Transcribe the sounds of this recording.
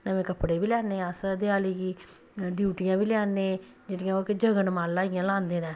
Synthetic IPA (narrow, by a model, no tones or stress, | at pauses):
nəmẽːkəpːɽeːʋiːlɛːneːəsd̪ɪaːliːɡiː | ɖjuːʈɪjãːbiːlɛːnːeː | d͡ʒɪʈɪjãːoːked͡ʒəɡənmaːlːaːɪjãːlãːnd̪eːnɛ̃ː